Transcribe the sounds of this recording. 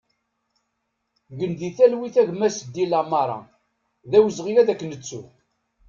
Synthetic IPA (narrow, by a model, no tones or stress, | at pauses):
ʝənðiθælwiθæʝmæsd̪ːilamɑɾˤɑ̰ | ðæwəzʁijæðækːnət͡sːu